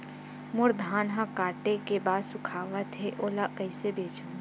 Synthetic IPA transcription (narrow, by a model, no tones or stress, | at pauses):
mʊɾd̪ʱaːnɦãkaːʈekebaːd̪sʊkʰaːʋət̪ɦeʔoːlaʔkɐɪsebeːt͡ʃa